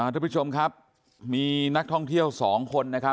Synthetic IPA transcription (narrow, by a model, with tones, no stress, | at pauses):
aː˥˩˦t͡ɕʰo˧mkʰa˦˥p̚ | miː˧na˦˥k̚t̪ʰɔ˥˩ŋt̪ʰi˥˩əwsɔː˩˦ŋkʰo˧nːa˦˥kʰa˦˥